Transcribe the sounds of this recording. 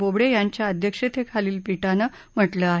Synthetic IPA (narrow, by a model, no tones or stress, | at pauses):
obɽejaɲt͡ɕjaəd̪ʱjəkʂet̪ʰekʰaliːlpiʈanə | m̤əʈləaɦ